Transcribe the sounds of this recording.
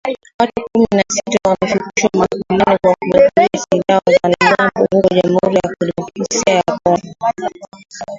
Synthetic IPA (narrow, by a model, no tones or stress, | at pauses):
watukuminasitawamɛfukiʃwamakuminikwakuwɛkiasiðaɔzanamzambɔhukɔʄam̩hṵɾijakɔlimɔkasiajakɔnɔ